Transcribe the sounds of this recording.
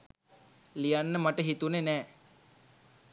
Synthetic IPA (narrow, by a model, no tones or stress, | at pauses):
lijanːəmaʈəɦit̪unenɛː